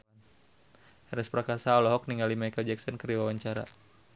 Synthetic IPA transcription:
n | ɛɾɛspɾakasaɔlɔɦɔk̚niŋɡalimaikald͡ʒɛksɔnkəriwawaɲt͡ʃaɾa̰

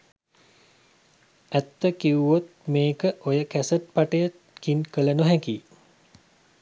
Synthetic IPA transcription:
æt̪ːəkiuʋot̪̚meːkəʔojəkæsəʈ̚paʈəjət̪̚kinkələnoɦɛkiː

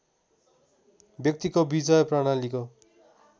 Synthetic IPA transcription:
bjʌk̚t̪ikobid͡zʌjpraɽ̃aliko

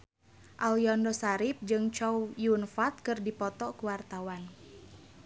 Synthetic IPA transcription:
ʔaljɔndɔsaɾip̚d͡ʒɨŋt͡ʃɔwjunfat̪̚kɨrdipɔt̪ɔkuwart̪awan

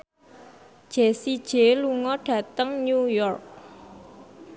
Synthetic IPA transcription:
d̥ʒ̥esid̥ʒ̥eluŋɔɖ̥ä̤t̪əŋnujɔrk̚

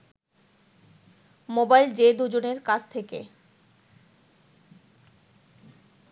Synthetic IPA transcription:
mobajld͡ʑed̪ud͡ʑoneɾkat͡ɕʰt̪ʰekḛ

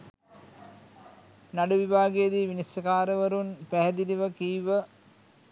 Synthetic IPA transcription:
naɖuʋibʱaːɡejəd̪iʋinisjɐkaːɾəʋəɾunpæɦɛd̪iliʋəkiːʋə

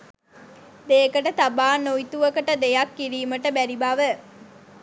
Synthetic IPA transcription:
d̪eːkəʈət̪abaːnoit̪uʋəkəʈəd̪ejakːiɾiːməʈəbæɾibaʋə

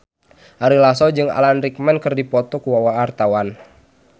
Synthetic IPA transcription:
ʔaɾilasɔd͡ʒɨŋa̰lanrik̚mɛnkɨrdipɔt̪ɔkuwawaːrt̪awan

